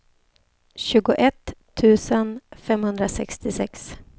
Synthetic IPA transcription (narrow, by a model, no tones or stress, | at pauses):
ɕʉ̟ːɡʊʔɛt̪ʰː | ʉ̟ːsənfɛmhɵnd̪ɾasɛkst̪ɪsɛks